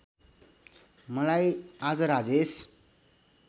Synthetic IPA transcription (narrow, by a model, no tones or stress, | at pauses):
məlajad͡zɾad͡zes